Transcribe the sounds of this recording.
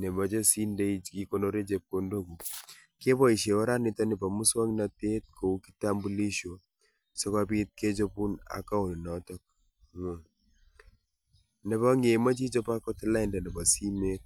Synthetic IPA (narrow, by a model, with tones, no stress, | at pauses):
nɛ˨ba˨d͡ʒɔ˦si˦nde˦iki˨ko˦no˨ɾe˦d͡ʒe˨p̚kondo˦ɡu˨ | ke˦bɔ˦i˨ʃe˨wa˦ɾa˦nɪ˨tɔ˦ni˨ba˨mu˦swa˦ŋna˨te˦t̚kʰo˨u˦ki̥˦ta˦mbu˦li˦ʃo˨ | sɔ˦ka˦bi˦t̚kʰe˦d͡ʒɔ˦pu˦na̰˨ka˦o˨n˨nɔtɔ˦k̚ | nɛ˨ba˦ŋe˨ma˦d͡ʒi˦d͡ʒɔ˦pa˦kɔ˦tla˦ɪ˦nda˨nɛ˨ba˨si˦me˦t̚